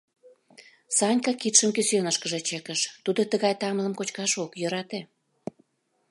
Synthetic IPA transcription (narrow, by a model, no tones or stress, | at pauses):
sɑnʲkɑkit̪ʃəmkysønəʃkəʒet͡ɕekəʃt̪ud̪ot̪əɣɑjt̪ɑmləmkot͡ɕkɑʃokjə̆ɾɑt̪e